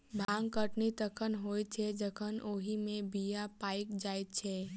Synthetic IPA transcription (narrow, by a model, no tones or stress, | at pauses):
bʱãŋɡkəʈnit̪əkʰənɦoːjt͡ʃʰɛd͡ʒəkʰənoːɦimẽbijapaːɪkd͡ʒaːjt̪t͡ʃʰɛ